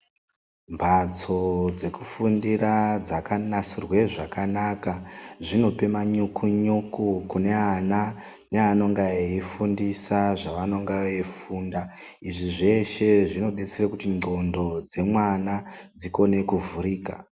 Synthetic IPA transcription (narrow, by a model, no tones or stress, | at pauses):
mbʱat͡so̞d͡ze̞kufundirad͡zakanasirwe̞ʐakanakaʐino̞pe̞maɲukʰuɲukukune̞ana | neano̞ŋɡaeifundisaʐaʋano̞ŋɡaʋeifuːnda | iʐiʐe̞ʃe̞ʐino̞ɗet͡serekutino̞ndo̞d͡ze̞mwanad͡ziko̞ne̞kuvuɾiːka̰